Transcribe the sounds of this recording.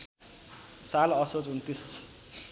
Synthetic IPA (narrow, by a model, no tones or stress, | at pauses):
salʌsot͡sunt̪is